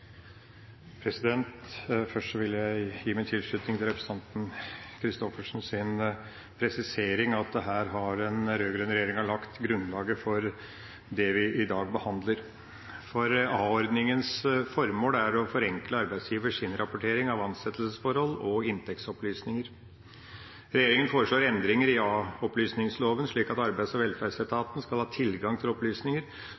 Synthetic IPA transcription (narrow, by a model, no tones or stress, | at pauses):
pʰɾɛsɪd̪ɛnt̪fœʂʈʂɔʋɪljæɪjiːmæɪt̪ʰɪlʂɭʉt̪nɪŋt̪ʰɪlɾɛpʰɾəsə̥ɑnt̪n̩kʰɾɪst̪ɔfəʂnsɪn | pʰɾɛsɪseːɾɪŋɑt̪̚d̪ɛɦæːɾɦɑɾɛnɾøːɡɾɛnəɾɛjeːɾɪŋɑɭlɑkt̪ɡɾʉnlɑːɡəfɔɾ | d̪ɛʋɪʔɪd̪ɑːɡ̚bəhɑnd̪ləɾ | fɔɾɑːɔɾd̪nɪŋənsfɔɾmoːlæɾɔfɔɾɛŋkləɑɾbæɪsjiːʋəʂɪnɾʔɑpʊʈʰeːɾɪŋɑʋɑnsɛt̪ːəlsəsfɔɾhɔlɔɪnt̪ʰɛksɔplyːsnɪŋəɾ | ɾɛjeːɾɪŋənfoːɾəʂɭoːɾɛnd̪ɾɪŋəɾɪɔplyːsnɪŋsloːʋənʂɭiːkɑt̪ɑɾbæɪd̪sɔʋɛlfæsɛt̪ʰɑːt̪n̩skɑlhɑːt̪ʰɪlɡɑŋt̪ʰɪlɔplyːsnɪŋəɾ